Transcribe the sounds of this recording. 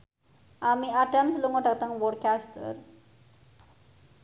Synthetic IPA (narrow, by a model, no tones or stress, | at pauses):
amiaʈəmsloŋɡəʈak̚t̪əŋʋoɽkʰast̪ə̰ɾ